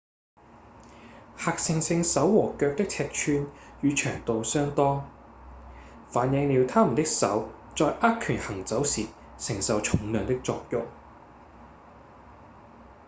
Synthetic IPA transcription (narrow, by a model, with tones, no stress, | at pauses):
haː˧k̚sɪ˧ŋsɪ˧ŋsɐ˨˥wːɔː˨˩kœː˧k̚t̪ɪ˥k̚t͡sʰɛː˧k̚t͡ʃʰyː˧njyː˨˧t͡ʃʰœː˨˩ŋt̪o˨wsœː˥ŋt̪ɔː˥ŋ | faː˨˥njɪ˨˧ŋliː˨˧wt̪ʰaː˥mu˨˩nt̪ɪ˥k̚sɐ̰˨˥w | t͡sɔː˧jʔaː˥t̚kʰy˨˩nhɐ˨˩ŋt͡sɐ˨˥wsiː˨˩ | sɪ˨˩ŋsɐ˨˧wt͡ʃʰʊ˨˥ŋlœː˨˧ŋt̪ɪ˥k̚t͡sɔ̰ː˧k̚jʊ̰˨ŋ̚